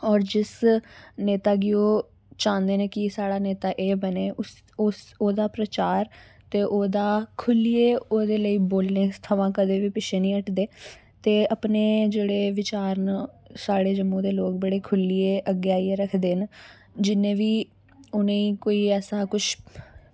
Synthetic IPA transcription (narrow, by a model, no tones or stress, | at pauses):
ɔːɾd͡ʒɪsneːt̪aːɡɪoː | t͡ʃãːnd̪eːneːkɪsaːɽaːneːt̪aːʔeːbəneːʔʊs | soːd̪aːpɾət͡ʃaːɾt̪eːʔoːd̪aːkʰʊlieːoːd̪eːləiːboːlnẽːt̪ʰəʋãːkəd̪eːʋiːpɪʃʰeːnĩːəʈʰd̪eː | t̪eːəpneːd͡ʒeːɽeːʋɪt͡ʃaːɾn | saːɽeːd͡ʒəmːõːd̪eːloːk̚bəɽeːkʰʊlieːʔəɡeːaːieːɾəkʰd̪eːn | d͡ʒɪnːẽːʋiː | ʊnẽːiːkoːiːɛːsaːkʊt͡ʃʰ